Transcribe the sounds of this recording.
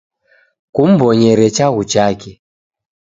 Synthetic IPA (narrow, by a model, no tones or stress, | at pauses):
kum̩bɔɲɛɾɛt͡ʃaɣut͡ʃakɛ